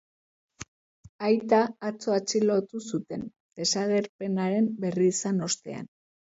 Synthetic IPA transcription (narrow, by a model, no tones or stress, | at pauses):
ajt̪aːt͡so̞at͡ʃilo̞t̪usut̪e̞n | d̪̥e̞saɣe̞ɾpe̞naɾe̞mbe̞riːsano̞st̪e̞a̰n